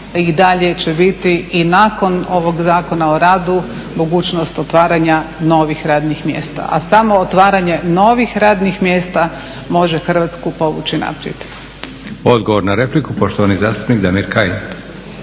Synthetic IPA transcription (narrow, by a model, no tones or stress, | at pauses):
id̪aʎe̞t͡ɕe̞bit̪iinako̞no̞ʋo̞ɡzaːko̞naoɾaːd̪u | mo̞ɡuːt͡ʃnost̪ot̪ʋaːɾaɲano̞ʋixɾaːd̪nixmjḛːst̪a̰ʔa̰samo̞ːt̪ʋaːɾaɲe̞no̞ʋixɾaːd̪nixmjeːst̪a | mo̞ʒe̞xr̩ʋaːt̪skupo̞ʋṵt͡ɕina̰pɾjḛd̪̥ | o̞d̪ɡoʋo̞ɾnaɾeplikupoʃt̪oʋanizaːst̪u̥pnikd̪amiɾkajin